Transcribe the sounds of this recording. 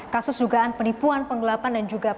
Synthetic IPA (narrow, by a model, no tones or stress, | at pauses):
kasʊsduɡaʔanpənipuanpəŋɡəlapandand͡ʒuɡa